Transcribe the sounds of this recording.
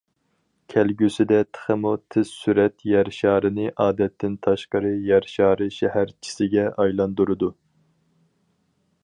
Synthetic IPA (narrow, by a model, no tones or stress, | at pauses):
kʲʰɛlɡʲysɪd̪ɛt̪ʰə̥χəmut̪ʰɪz̥syɾɛt̪jɛɾʃɑːɾɨnɨʔɑːd̪ɛt̪ʰːɪnt̪ʰɑʃqəɾɨjæɾʃɑːɾɨʃɛhæɾt͡ʃʰi̥sɪɡʲɛʔɑjlˠɑnd̪uɾɨd̪u